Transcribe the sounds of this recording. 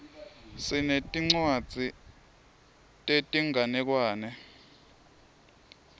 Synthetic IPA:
sinetʼiŋ͡ǀwad̥d͡z̥ʱi | tʼetʼiŋʱanɛk̬waːnɛ

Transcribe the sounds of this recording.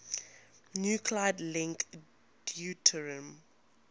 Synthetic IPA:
njukʰlajdlɪ̃ŋk | djutʰəɹə̃m

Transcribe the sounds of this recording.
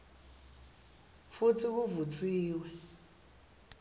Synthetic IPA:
fut͡sʰiβuvut͡sʼiːwɛ

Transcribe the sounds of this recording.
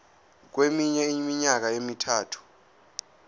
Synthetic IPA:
k̬wemiɲɛimiɲak̬aemitʰaːtʰu̥

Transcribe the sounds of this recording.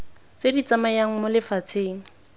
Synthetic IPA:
t͡sedit͡samajaŋ̩mʊlɪfat͡sʰeːŋ̩

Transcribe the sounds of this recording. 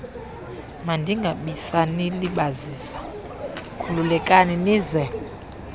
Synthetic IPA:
mandʱiŋɡʱaɓisaniliɓaziːsḁ | kʰululɛkʼaniniːzɛ

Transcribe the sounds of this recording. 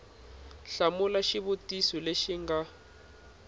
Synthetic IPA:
ɬamulaʃiβutisileʃiŋɡa

